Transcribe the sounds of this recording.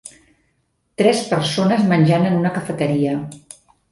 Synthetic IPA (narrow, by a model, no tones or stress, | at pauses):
t̪ɾɛspəɾsonəzmənʲʒanənunəkəfət̪əɾiə